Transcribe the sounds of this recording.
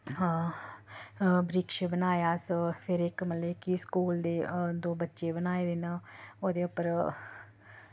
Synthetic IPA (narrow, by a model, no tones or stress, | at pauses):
bɾikʃebənaːjaːspʰɪɾɪkmət̪ləɪkiskuːld̪eːd̪oːbətːʃeːbənaːed̪ɪnoːd̪eːʊpəɾ